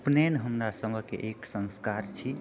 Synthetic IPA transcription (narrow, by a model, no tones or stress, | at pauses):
pnenɦəmɾasəməkḛʔeksə̃nskaɾt͡ʃʰi